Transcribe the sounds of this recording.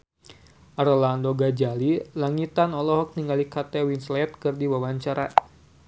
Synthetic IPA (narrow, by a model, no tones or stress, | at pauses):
ʔaɾolandoɡad͡ʒalilaŋit̪anɔlɔɦɔk̚niŋalikat̪ɛwinslɛt̪̚kɨrdiwawaɲt͡ʃaɾa